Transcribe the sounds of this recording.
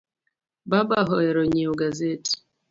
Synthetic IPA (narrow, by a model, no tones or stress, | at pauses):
baɓaɦɔɛɾɔɲiɔɡazɛti̥